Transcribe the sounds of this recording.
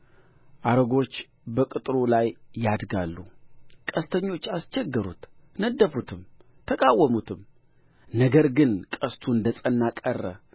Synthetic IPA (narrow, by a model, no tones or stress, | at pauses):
ʔaɾəɡo̞t͡ʃː | bəkʼɨt̪ʼɨɾolajːad̪ɡa̰lːukʼəst̪ʰəɲːo̞t͡ʃːast͡ʃʰɛɡːəɾṵt̪nəd̪ːəfut̪ʰɨmt̪ʰːəkʼawːəmut̪ʰɨm | nəɡəɾɡɨnkʼəst̪ʰuɨnd̪əsʼənːakʼərːə̰